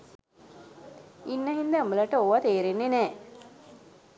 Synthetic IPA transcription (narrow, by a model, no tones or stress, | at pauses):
inːɐɦind̪əamələʈəoʋat̪eːɾenːenɛː